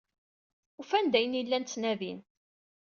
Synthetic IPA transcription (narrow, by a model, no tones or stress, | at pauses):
ufænd̪æjənilːænt͡sːnæðin